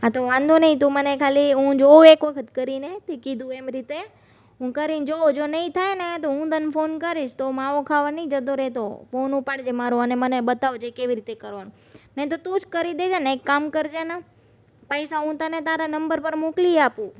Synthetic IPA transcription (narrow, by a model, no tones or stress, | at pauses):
at̪oʋãnd̪ʱonəĩt̪omənekʰaliɦũd͡ʒoekʋəkʰət̪kəɾinet̪ekid̪ʱũemɾit̪e | ɦũkəɾind͡ʒod͡ʒonəĩt̪ʰajnet̪oɦũd̪ənfonkəɾiʃt̪omaʋokʰaʋənəĩd͡ʒəd̪oɾɛt̪o̰fonupaɽd͡ʒemaɾoəneməneɓət̪aʋot͡ʃʰekeʋiɾit̪ekəɾʋanũ | nəĩt̪ot̪ũd͡ʒkəɾid̪ed͡ʒanekːamkəɾd͡ʒena | pəjsaɦũt̪ənet̪aɾanəmbəɾpəɾmokliapũ